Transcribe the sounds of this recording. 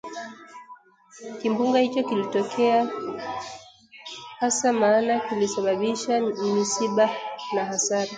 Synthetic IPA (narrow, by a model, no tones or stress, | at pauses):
kimbuŋɡahit͡ʃɔkilitɔkʰɛa | hasamaːnakilisaɓaɓiʃamisiɓanahasaɾa